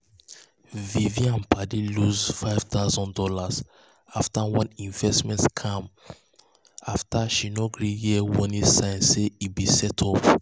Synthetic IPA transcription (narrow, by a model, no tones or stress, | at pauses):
viviãnpʰadiluzfaɪv̥t̪aʊzɔ̃ndɔlaz | aftawɔ̃nĩɱvɛstmɛ̃ntkʰãm | aftaʃinoɡɹijiɛwɔ̃nĩsãɪ̃nseibisɛtʰɔp